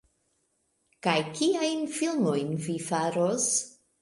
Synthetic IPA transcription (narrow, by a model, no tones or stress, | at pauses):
kajkʰiajnfilˠmojnvifaɾos